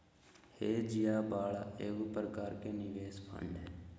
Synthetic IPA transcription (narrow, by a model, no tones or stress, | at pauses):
heːd͡ʒɪjaːbaːɭaːeːɡupɾəkaːɾkeːnɪʋeːspʰə̰ɳɖɦɛː